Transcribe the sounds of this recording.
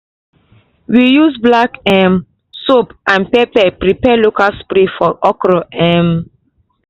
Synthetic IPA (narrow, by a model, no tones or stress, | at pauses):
wijuzblakɛm | sopãnpɛpɛpɾipɛlokalspɾefɔʔɔkɾɔʔɛm